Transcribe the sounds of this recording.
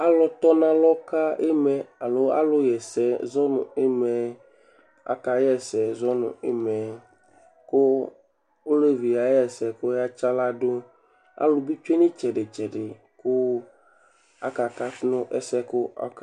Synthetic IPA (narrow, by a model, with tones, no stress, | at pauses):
a˦lɔ˨t̪ɔ˦nã˦lɔ˦ka˦e˦mɛ˨a˨lo˦a̰˦lʊ˦jɛ˨sɛ˨zɔ˦nʊ̰̃˨e˦mɛ˨ | a̰˨ka˨jɛ˦sɛ˨zɔ˦nʊ̰̃˨e˦mɛ˨ | kʊ˦ | o˦le˦vi˨ja˨jɛ˦sɛ˨kʊ˦ja˦t͡ʃa˦la˦dʊ˦ | a̰˦lʊ˨bi˦t͡ʃe˦nĩ˦t͡ʃɛ˨ɖɪ˨t͡ʃɛ˨ɖɪ˨ | kʊ˦ | a̰˦ka˨ka˦fnʊ̃˦ʔɛ̰˨sɛ˦kʊ˦a̰˨˦k